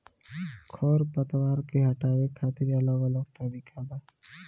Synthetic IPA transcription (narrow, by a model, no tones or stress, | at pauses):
kʰɔːɾpət̪waːɾkeɦɐʈaːwekʰaːt̪ɪɾɐləɡɐləɡt̪əɾiːkʰabaː